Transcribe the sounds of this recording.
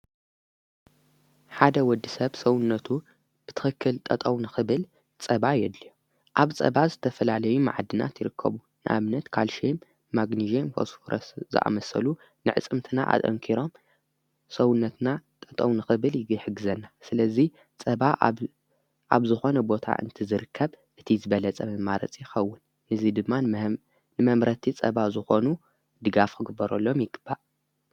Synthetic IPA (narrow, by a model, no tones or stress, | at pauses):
ħad̪ɐwɔd̪ːisɐβsɐwʊnːɐt̪ʰu | b̥ɨt̪ʰɨ̥xɨkʰːɨlt̪ʼɐt̪ʼɐwnɨxɨβɨl | t͡sʼɐβajɛd̪lio | ʔaβt͡sʼɐ̰βazɨt̪ʰɐfɐlalɐjuma̰ʕd̪ɨna̰t̪jɪɾɨkʰːɐ̰βu | nɨʔa̰βnɐt̪kʰalʃemː | aɡniʒemfo̰sfoɾʔɐszɨ̰ʔa̰mɐsɐ̰lu | nɨʕɨ̰t͡sʼɨmt̪ʰɨna̰ʔa̰t̪ʼɐ̰ŋkʰiɾo̞m | sɐwʊnːɐt̪nat̪ʼɐt̪ʼownɨxɨβɨlħɨɡɨzɐnːasɨlɐzi | t͡sʼɐβa | ʔa̰βzɨxo̞nɐbo̞t̪ʰa̰ʔɨ̰nt̪ʰɨzɨɾɨkʰːɐβ | ʔɨt̪ʰizɨβɐlɐt͡sʼɐmɨmaɾɐ̰t͡sʼijɪxɐwːʊnː | ɨzid̪ɨmːa | nɨmɐmɾɐt̪ʰit͡sʼɐ̰βazɨxo̞nu | d̪ɨɡafkʰɨɡɨbːɐɾɐlːo̞mjɪɡɨbːaʔ